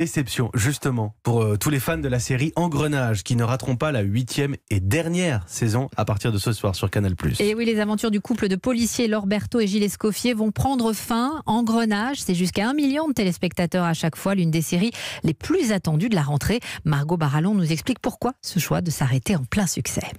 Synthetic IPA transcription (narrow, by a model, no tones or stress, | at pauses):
d̪esɛpsjɔ̰̃ʒyst̪əmɑ̃puʁt̪ulefand̪əlaseʁiʔɑ̃ɡʁənaʒkʲinəʁat̪χɔ̃palaɥit̪ʰjɛmed̪ɛʁnjɛʁsezɔ̃apaʁt̪iʁd̪əsəswa̰ʁsyʁkanalply̰sewilezavɑ̃t̪yʁd̪ykupləd̪əpɔlisjelɔʁbɛʁt̪oeʒileskɔfjevɔ̃pχɑ̃d̪ʁəfɛ̃ɑ̃ɡʁənaʒsɛʒyskaɛ̃miljɔ̃d̪ət̪elespɛk̚t̪at̪œʁaʃakfwalynd̪eseʁileplyzat̪ɑ̃d̪yd̪əlaʁɑ̃t̪χemaʁɡobaʁalɔ̃nuzɛksplik̚puʁkwasəʃwa̰d̪əsaʁet̪eɑ̃plɛ̃syksɛ̰